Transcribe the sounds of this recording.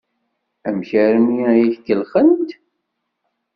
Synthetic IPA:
æmçæɾənjijiθkəlχənt̪

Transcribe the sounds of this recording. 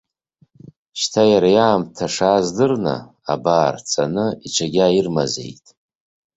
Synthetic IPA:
ʃtʰajaɾajaːmtʰaʂaːzdɨrna̰ | a̰baːrt͡sʰʼanɨiʈ͡ʂʷʰaɡʲairma̰ze̞̰jtʼ

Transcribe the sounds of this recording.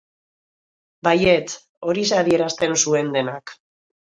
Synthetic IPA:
baje̞t͡s | o̞ɾisaðie̞ɾast̪e̞nsue̞nd̪e̞nak

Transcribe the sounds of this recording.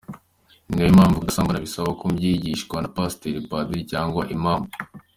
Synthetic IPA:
ŋɡejimaːɱvuɡasaːmɡanaβisaβakobɟiɟiʃɡwanapasteɾipadicaːŋɡwaʔimaːɱvu

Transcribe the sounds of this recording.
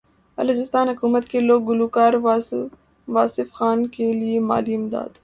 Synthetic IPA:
ɐloːd͡ʒɪst̪aːnɦʊkuːmət̪keloːɡːʊluːkaːɾ | ʋaːsɪfxaːnkeliema̰ːliɪmd̪a̰ːd̪

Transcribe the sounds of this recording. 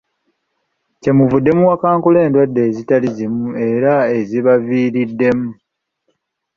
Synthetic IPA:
ce̞muvudːe̞muwakaːŋkule̞ːndwadːe̞ːzitalizimue̞ɾae̞ziβaviːɾidːe̞mu

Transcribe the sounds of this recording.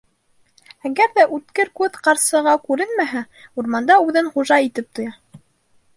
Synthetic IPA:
æɡæɾðæʔʉt̪kɘɾkʉðqɑɾsɤ̆ʁɑkʉɾɘnmæɦæ | uɾmɑnd̪ɑʉðɘnχuʒɑit̪ɘp̚t̪ŏjɑ

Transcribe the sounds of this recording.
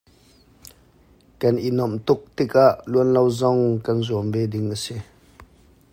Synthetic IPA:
kɐnʔinɔmt̪ʊk̚t̪ikaʔluənlowzɔŋkɐnzuəmbɛdɪŋʔəsi

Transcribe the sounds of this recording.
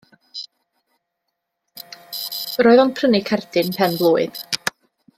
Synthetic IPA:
roːɨðɔnpʰrənɪkʰɛrdɪnpʰɛnblˠuːɨð

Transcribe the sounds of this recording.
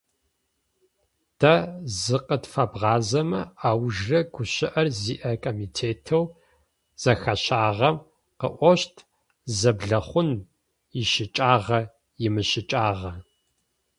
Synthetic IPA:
d̥ʰɐzɨqətfɐbʁɑːzɐmɐaːwʒrɐɡʷʊɕɪʔɐrziːʔɐkʰʼomitʰeːtʰɐw | z̥ɐxɐɕaːʁɐm | qə̰ʔʷɔɕtʰ | zɐbɮɐχʷʊn | jɪʃɪt͡ʃʼaːʁɐ | jɪmɨɕɪt͡ʃʼaːʁɐ

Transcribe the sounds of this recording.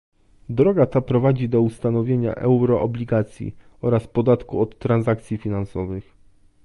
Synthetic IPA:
d̪ɾɔɡat̪apɾɔvad͡ʑid̪ɔust̪anɔvʲjeɲa̰ʔɛ̰wɾɔʔɔbʲlʲiɡat̪sʲjḭ | ɔɾaspɔd̪at̪kuɔt̪ːɾanzakt̪sʲjifʲinansɔvɘx

